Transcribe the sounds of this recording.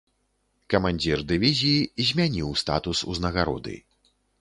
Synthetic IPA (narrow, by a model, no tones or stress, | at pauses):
kɐmanʲd͡zʲird̪ɨvʲizʲijizʲmʲanʲiwst̪a̰t̪usṵznɐɣaɾɔ̰d̪ɨ̰